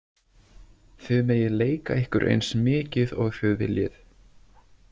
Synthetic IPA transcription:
θʏmeːjɪleːjkaɪhkʏɾʔḛjnsmɪːcɪðɔɣfœɣðɪljɪθ

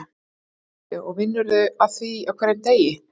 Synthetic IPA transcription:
ɔɣvɪnːʏɾðʏaðθviawkʰvɛːɾɛnt̪eːjɪ

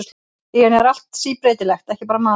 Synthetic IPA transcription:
s | ianɛɾal̥t̪siːpɾeːjt̪ɪlɛxt̪ɛhcɪpaːɾamaː

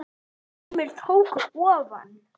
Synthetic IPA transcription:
mɪlt̪ʰowkʏɔːva̰n

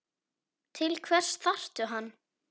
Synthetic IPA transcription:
t̪ʰɪlkʰvɛr̥sθar̥t̪ʏɦanː

